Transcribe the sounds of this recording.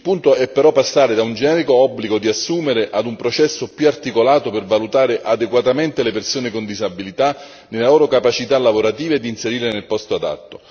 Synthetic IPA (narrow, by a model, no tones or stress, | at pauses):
ilpunt̪oɛpːeɾɔpːasːaːɾed̪aund͡ʒenɛːɾikoɔbːliɡod̪iasːuːmeɾeʔad̪umpɾot͡ʃɛsːopjuart̪ikolaːt̪opervalut̪aːɾeʔad̪eɡwat̪ament̪elepersoːnekond̪izabːilit̪a | nelaloːɾokapat͡ʃit̪alːavoɾat̪iːved̪inseɾiːɾenelpɔst̪oad̪a̰t̪ːo